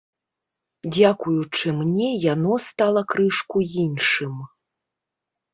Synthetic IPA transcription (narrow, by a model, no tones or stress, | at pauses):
d͡zʲakujut͡ʂɨmnʲɛjanɔst̪alˠɐkɾɨʂkujinʂɨm